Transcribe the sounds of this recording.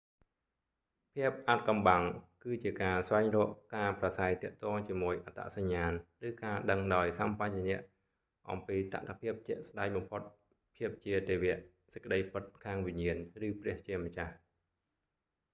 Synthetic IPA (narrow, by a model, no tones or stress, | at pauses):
pʰiəp̚ʔat̪̚kɑmɓaŋkɨːt͡ɕiəkaːsʋaɛŋrɔːʔkaːprasaɛjt̪ɛ̆əʔt̪ɔːŋt͡ɕiəmuəjʔat̪a̰ʔsaɲːaːnrɨːkaːɗəŋɗaɔjsampat͡ɕnɛ̆əʔ | ʔɑ̰mpiːt̪a̰ʔt̪ʰapʰiəp̚t͡ɕɛ̆əʔsɗak̚ɓɑmpʰot̪̚ | pʰiəp̚t͡ɕiət̪eːʋɛəʔ | sə̥c̚kə̆ɗəjpɨt̪̚kʰaːŋʋiɲiənrɨːprɛ̆əht͡ɕiəmət͡ɕah